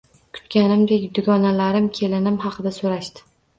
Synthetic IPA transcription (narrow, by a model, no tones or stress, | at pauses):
kʰʊ̥t̪kʲanɪmd̪ekʲd̪ʊɡɒnalaɾɪmkʲʰe̞lɪnɪmhɑqʰɨd̪asoɾaʃt̪ɪ̥